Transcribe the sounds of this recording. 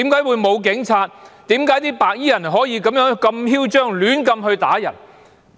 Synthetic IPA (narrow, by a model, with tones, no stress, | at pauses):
i˨˥mkaː˨˥jwuː˨˧jmo˨˧wk̬ɪ˨˥ŋt͡sʰaː˧t̪̚t̪iː˨˥mkaː˨˥jt̪iː˥paː˨˧k̚jiː˥jɐ˨˩nɦɔː˨˥jiː˨˧kɐ˨˥mjœː˨˥ŋkɐ˧mhiː˥wt͡ʃœː˥ŋlyː˨˥nkɐ˧mhɵ˧ɥt̪a̰ː˨˥jɐ˨˩n